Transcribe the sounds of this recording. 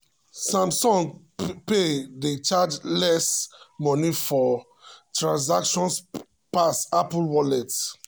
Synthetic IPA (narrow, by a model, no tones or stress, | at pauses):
sãmsɔ̃ŋ | pedət͡ʃad͡ʒlɛsmɔ̃nifɔ | tɹãns̬akʃɔ̃ns | pasaplwɔlɛt